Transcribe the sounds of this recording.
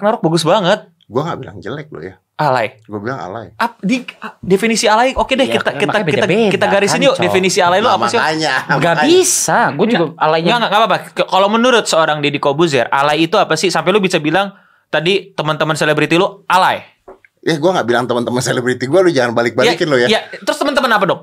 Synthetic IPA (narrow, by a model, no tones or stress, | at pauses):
knaɾʊk̚baɡʊsbaŋət̪̚ | ɡuaŋɡa̰ʔbila̰ŋd͡ʒəlɛk̚lʊ̰ja | ʔalajɡuabilaŋa̰lajapdiadefinisialaiʔokedɛkit̪akit̪ait̪akit̪aɡaɾɪsinidefinisialailʊamasiaɲaɡabisaɡud͡ʒɡaalaiɲɡaŋaʔŋɡapapakkalomənuɾʊt̪̚səoɾaŋdiadikobuzɛrʔa̰laiːt̪uapasɪhsampɛlʊbisabilaŋ | t̪adit̪əmənt̪əmənselebɾit̪ilʊʔalaj | jaɡuaŋɡaʔbilaŋt̪əmənt̪əmənselebɾit̪iɡualʊd͡ʒaŋanbalɪk̚bajaikɪnlʊjajat̪əɾʊst̪əmənt̪əmənapadɔk̚